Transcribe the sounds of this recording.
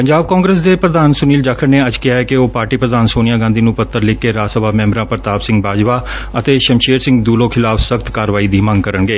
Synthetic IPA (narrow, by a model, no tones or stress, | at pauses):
pəɲd͡ʒaːb̚kãːŋɡɾeːs̬d̪eːpɾəd̪aːnsʊniːld͡ʒaːkʰəɾneːəd͡ʒkɪɦaːɛkɪoːpaːɾʈiːpɾəd̪aːnsoːnɪjaːɡãːnd̪iːnũːpət̪ːəɾlɪkːeːɾaːsəbaːmɛ̃ːmbɾãːpəɾt̪aːbsɪ̃ŋɡbaːd͡ʒʋaː | ət̪eːʃəmʃeːɾsɪ̃ŋɡd̪uːlõːkʰɪlaːfʰsəkt̪kaːɾʋaːiːd̪iːmə̃ŋɡ̚kəɾəɳɡeː